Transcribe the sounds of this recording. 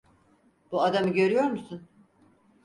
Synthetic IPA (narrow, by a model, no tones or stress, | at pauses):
b̥uad̪amɯɟø̞ɾyjo̞ɾmusun